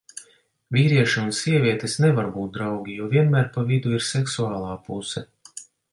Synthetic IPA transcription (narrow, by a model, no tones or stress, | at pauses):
vʲiːɾiɛʃunsiɛvʲiɛt̪esnɛvaɾbuːt̪̚d̪ɾawɡʲijuɔvʲiɛnmæːɾpavid̪uiɾsɛksuaːlˠaːpusɛ